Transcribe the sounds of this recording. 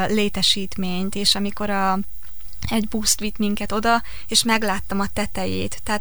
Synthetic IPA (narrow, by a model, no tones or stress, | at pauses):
leːt̪ɛʃiːt̪meːɲt̪eːʃɒmiko̞ɾɒ | ɛɟbuːst̪ʋit̪miŋkɛt̪o̞d̪ɒ | eːʃmɛɡlaːt̪ːɒmɒt̪ɛt̪ɛjḛːt̪ːɛɦːt̪